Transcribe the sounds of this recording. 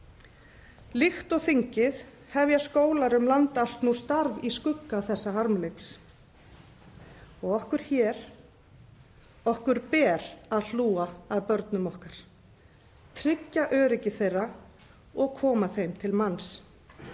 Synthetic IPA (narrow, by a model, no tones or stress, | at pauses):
lixt̪ɔɣθiɲcɪð | hɛvjaskoːwlaɾʏmlant̪aal̥t̪nust̪aɾviskʏkːaθɛsːaɦaɾmlejks | ɔɣɔhkʏɾ̥çɛːɾ̥ | ɔhkʏɾpɛːɾ̥aðl̥uːaaðpœɾt̪nʏmɔhkaɾ̥ | t̪ʰɾɪcːaʔœːɾɪcɪθejrːa | ɔɣkʰɔːmaθejmt̪ʰɪlmans